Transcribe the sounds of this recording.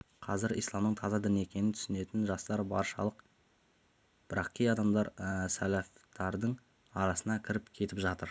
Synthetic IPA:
qʰɑzɪɾḭjslˠɑmnəɴt̪ʰɑzɑd̪ɪne̞kʲʰe̞nɪnt̪ʰʏ̥sɪne̞t̪ɪnʒɑst̪ɑɾbɑ̰ɾʃɑ̰lˠəq | b̥ɪɾɑqkʲijɑd̪ɑmd̪ɑɾsælæft̪ɑɾd̪əɴ | ɑɾɑsənɑkʲʰɪɾɪpkʲʰe̞t̪ɪpʒɑt̪əɾ

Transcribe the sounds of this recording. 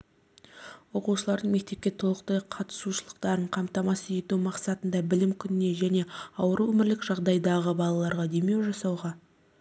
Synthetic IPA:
wo̞quʃəlˠɑɾd̪əɴme̞k̚t̪e̞p̚kʲe̞t̪ʰolˠəqt̪ɑjqʰɑt̪ə̥suʃəlˠəqt̪ɑɾəɴqʰɑmt̪ɑmɑsəe̞t̪umɑqsɑt̪ənd̪ɑbɪlɪmkʲʰʏnɪne̞ʒæne̞ɑwəɾuwɵmɪɾlɪkʒɑʁd̪ɑjd̪ɑʁəbɑlˠɑlˠɑɾʁɑd̪e̞me̞wʒɑsɑwʁɑ

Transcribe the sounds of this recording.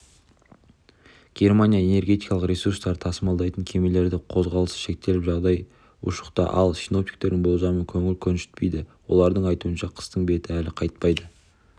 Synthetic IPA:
ɡ̥ʲe̞ɾmanʲijae̞ne̞ɾɡʲe̞t̪ijkɑlˠəqɾʲe̞surst̪ɑɾət̪ʰɑsəmɑlˠd̪ɑjt̪əŋkʲʰe̞me̞le̞ɾd̪ɪqʰo̞zʁɑlˠəsə̥ʃe̞k̚t̪e̞lɪpʒɑʁd̪ɑj | ʊ̰ʃə̥qt̪ɑ̰ʔɑ̰lˠʃʲino̞p̚t̪i̥k̚t̪e̞ɾd̪ɪŋbolˠzɑməkʲʰɵŋɪlkʲʰɵnʃɪ̥t̪̚pe̞jd̪ɪwo̞̰lˠɑɾd̪əɴɑjt̪uənʃɑqʰə̥st̪əɴbe̞t̪ɪælɪqʰɑjt̪pɑjd̪ə

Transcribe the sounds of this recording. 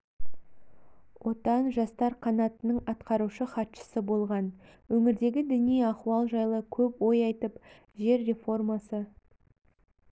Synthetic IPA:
wʔo̞t̪ɑnʒɑst̪ɑɾqʰɑnɑt̪ənəɴɑt̪qɑɾuʃəχɑt̪ʃə̥səbo̞lˠʁɑnwɵŋɪɾd̪e̞ɡʲɪd̪ɪnijɑquwɑlˠʒɑjlˠəkʲʰɵpwo̞jɑjt̪əp | ʒe̞ɾːe̞fo̞rmɑsə

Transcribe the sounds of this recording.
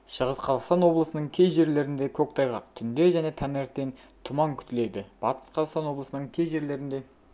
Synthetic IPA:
ʃəʁəsqʰɑzɑqst̪ɑnwo̞blˠəsənəɴkʲʰe̞jʒe̞ɾle̞ɾɪnd̪e̞kʲʰɵk̚t̪ʰɑjʁɑq̚t̪ʰʏnd̪e̞ʒæne̞t̪ʰæneɾt̪ːe̞nt̪ʰʊmɑŋkʲʰʏ̥t̪ɪle̞d̪ɪb̥ɑt̪ə̥sqʰɑzɑqst̪ɑnwo̞blˠəsənəɴkʲʰe̞jʒe̞ɾle̞ɾɪnd̪e̞

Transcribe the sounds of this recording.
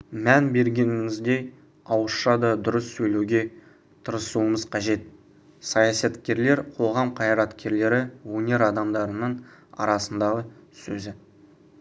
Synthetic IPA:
mænbe̞ɾɡʲe̞nɪŋɪŋɪzd̪e̞j | ɑwəsʃɑd̪ɑd̪ʊɾəsːɵjlewɡʲe̞ | t̪ʰəɾəsuəməzqʰɑʒe̞t̪ | sɑjɑsɑt̪kʲe̞ɾle̞ɾqʰo̞ʁɑmqʰɑjɾɑt̪kʲe̞ɾle̞ɾɪwɵnʲe̞ɾɑd̪ɑmd̪ɑɾənəɴɑ̰ɾɑsənd̪ɑʁəsɵzɪ

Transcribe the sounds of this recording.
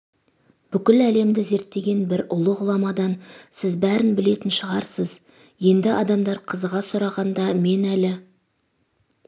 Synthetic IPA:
b̥ʏkʲɪlæle̞md̪ɪze̞ɾt̪ːe̞ɡʲe̞nbɪɾʊlˠəʁʊlˠɑmɑd̪ɑnsɪzbæɾɪnbɪle̞t̪ɪnʃəʁɑɾsəz | je̞nd̪ɪʔɑd̪ɑmd̪ɑɾqʰəzʁɑsʊɾɑʁɑnd̪ɑme̞nælɪ

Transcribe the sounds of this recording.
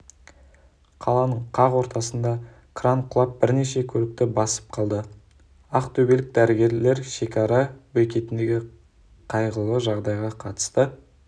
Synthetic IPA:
qʰɑlˠɑnəɴqʰɑʁwo̞ɾt̪ɑsənd̪ɑ | kʰrɑɴqʰʊlˠɑp̚bɪɾne̞ʃe̞kʲʰɵlɪk̚t̪ɪbɑsə̥p̚qʰɑlˠd̪ə | ɑqt̪ʰɵbe̞lɪk̚d̪æɾɪɡʲe̞ɾle̞ɾʃe̞kʲɑɾɑbɵjkʲe̞t̪ɪnd̪e̞ɡʲɪ | qʰɑjʁəlˠəʒɑʁd̪ɑjʁɑqʰɑt̪ə̥st̪ə

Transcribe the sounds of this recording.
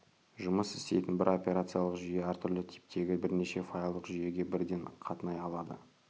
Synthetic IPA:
ʒʊməsɪst̪e̞̰jt̪ɪnbɪɾo̞pʲe̞ɾat̪sɨjalˠəqʒʏje̞æɾt̪ʰʏɾlɪt̪ʰi̥p̚t̪ʰe̞ɡʲɪbɪɾne̞ʃe̞fojɑlˠd̪əqʒʏje̞ɡʲe̞bɪɾd̪e̞ɴqʰɑt̪ənɑjɑlˠɑd̪ə̰

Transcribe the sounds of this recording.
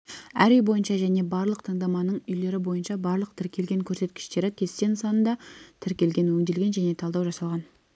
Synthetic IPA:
æɾʏjbo̞jənʃɑʒæne̞bɑɾlˠəqt̪ʰəɴd̪ɑmɑnəɴʏjle̞ɾɪbo̞jənʃɑbɑɾlˠəq̚t̪ʰɪɾkʲʰe̞lɡʲe̞ŋkʲʰɵɾse̞t̪kʲɪ̥ʃt̪e̞ɾɪkʲʰe̞st̪ensɑnənd̪ɑt̪ʰɪɾkʲe̞lɡʲe̞nwɵŋd̪e̞lɡʲe̞nʒæne̞t̪ʰɑlˠd̪ɑwʒɑsɑlˠʁɑn

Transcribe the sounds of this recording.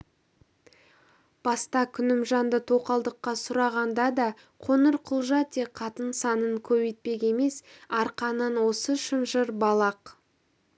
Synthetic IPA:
b̥ɑst̪ɑkʲʰʏnɪmʒɑnd̪ət̪ʰo̞qɑlˠd̪əqːɑsʊɾɑʁɑnd̪ɑd̪ɑ | qʰo̞nəɾqʰʊlˠʒɑt̪e̞qʰɑt̪ənsɑnəɴkʲʰɵbejt̪̚pe̞kʲe̞me̞sɑɾqɑnənwo̞səʃənʒəɾbɑlˠɑq

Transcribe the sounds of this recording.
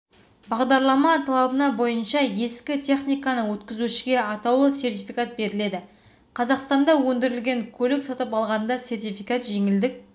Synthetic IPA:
bɑʁd̪ɑɾlˠɑmɑt̪ʰɑlˠɑbənɑbo̞jənʃɑje̞skʲɪt̪ʲʰe̞χnijkɑnəwɵt̪kʲɪzuʃɪɡʲe̞ɑt̪ɑwlˠəsʲe̞rt̪ʲijfijkat̪̚be̞ɾɪle̞d̪ɪ | qʰɑzɑqst̪ɑnd̪ɑwɵnd̪ɪɾɪlɡʲe̞ŋkʲʰɵlɪksɑt̪əpɑlˠʁɑnnd̪ɑse̞rt̪ijfijkat̪ʒe̞ŋɪld̪ɪk̚ʲ

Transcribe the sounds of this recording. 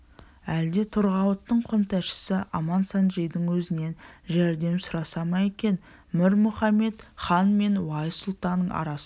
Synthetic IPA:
æld̪e̞t̪ʰʊɾʁɑwət̪ːəɴqʰʊnt̪ʰæʃɪ̥sɪʔɑmɑnsɑnʒejd̪əɴwɵzɪne̞nʒæɾd̪e̞msʊɾɑsɑmɑje̞kʲe̞n | mɪɾmʊχɑme̞t̪χɑnme̞nwɑjsʊlˠt̪ɑnːəɴɑ̰ɾɑs

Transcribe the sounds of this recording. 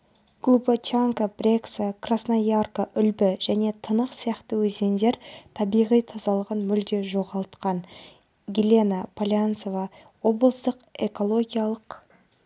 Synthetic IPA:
ɡ̥lˠubət͡ʃaŋkəbrʲe̞ksəkrasnojarkəʔʏlbɪʒ̥æne̞t̪ʰənəqsijɑqt̪əwɵze̞nd̪e̞ɾt̪ʰɑbijʁijt̪ʰɑzɑlˠəʁənmʏld̪e̞ʒo̞ʁɑlˠt̪qɑn | ɡʲilʲe̞napʰalʲjant̪so̞vɑ | wo̞blˠəst̪əqe̞ko̞lˠo̞ɡʲijalˠəq

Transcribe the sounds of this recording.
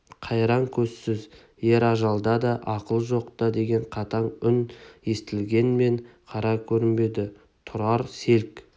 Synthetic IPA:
qʰɑjɾɑŋkʲʰɵzsɪz | je̞ɾɑʒɑlˠd̪ɑd̪ɑʔɑqəlˠʒo̞qt̪ɑd̪e̞ɡʲe̞ɴqʰɑt̪ʰɑɴʏnje̞st̪ɪlɡʲe̞nme̞ɴqʰɑɾɑkʲʰɵɾɪnbe̞d̪ɪ | t̪ʰʊɾɑɾse̞lk

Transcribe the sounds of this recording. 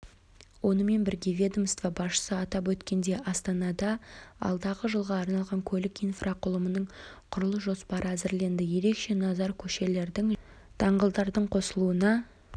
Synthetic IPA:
wo̞nəme̞nbɪɾɡʲe̞vʲe̞d̪əmst̪vɑbɑsʃə̥səɑt̪ɑp̬wɵt̪kʲe̞nd̪e̞ʔɑst̪ɑnɑd̪ɑɑ̰lˠd̪ɑʁəʒəlˠʁɑːɾnɑlˠʁɑŋkʲʰɵlɪkijnfrʔɑqʰʊlˠəmənəɴqʰʊɾəlˠəʒo̞spɑɾəæzɪɾle̞nd̪ɪje̞ɾe̞kʃe̞nɑzɑɾkʲʰɵʃe̞le̞ɾd̪ɪŋ | t̪ʰɑɴʁəlˠd̪ɑɾd̪əɴqʰo̞səlˠuənɑ

